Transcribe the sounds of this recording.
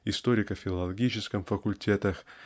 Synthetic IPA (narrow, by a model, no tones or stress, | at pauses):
ɪst̪oɾʲɪkəfʲɪlˠɐɐlˠɐɡʲit͡ɕɪskəmfəkʊlʲtʲet̪əx